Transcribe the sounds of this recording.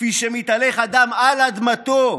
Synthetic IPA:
iʃemit̪aleχad̪amalad̪mat̪o

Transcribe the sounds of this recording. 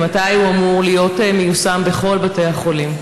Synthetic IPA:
matajhuamuʁlijo̞temejusambeχo̞lbate̞jhaχo̞lim

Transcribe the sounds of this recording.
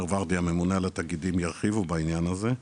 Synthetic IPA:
ʁvaʁt̪iame̞munealat̪aɡid̪imjaʁχivubainjanaze

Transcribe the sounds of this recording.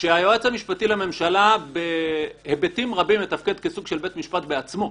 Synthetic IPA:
ʃeajoet͡samiʃpatilame̞mʃalabehebetimʁabimlet̪afke̞d̪kesuɡʃe̞lbe̞t̪miʃpat̪beat͡smo̞

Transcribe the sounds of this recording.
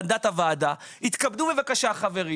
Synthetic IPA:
nd̪at̪havaːdahit̪kabd̪ubevakaʃaχave̞ʁi

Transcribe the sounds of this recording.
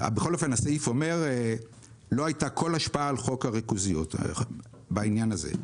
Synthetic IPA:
a̰beχo̞lofenaseifo̞me̞ʁ | loajtakʰo̞laʃpaaːlχo̞khaʁikuzijot | bainjanazḛ

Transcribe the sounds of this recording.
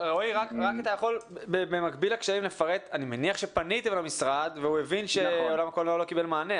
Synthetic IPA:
ʁouʁakʁakat̪ajaχo̞lbebemakbilakʃaimlefaʁet̪animeniaχʃe̞panit̪emlamisʁad̪veuevinʃeolamakolalo̞kibelmaːne

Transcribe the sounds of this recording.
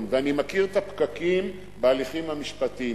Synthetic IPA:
mveanimakiʁet̪apkakim | bealiχimhamiʃpat̪i

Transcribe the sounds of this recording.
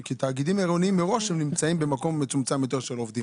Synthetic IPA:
kit̪aːɡid̪imeʁoniimːeʁo̞ʃhemnimt͡saimbemako̞mːet͡sumt͡samːet̪oʃelo̞vd̪i

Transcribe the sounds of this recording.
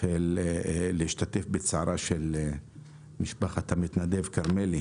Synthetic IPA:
elː | eiʃt̪at̪e̞fbet͡saʕaɾaʃel | miʃbaχat̪hamit̪nad̪evkaʁmeli

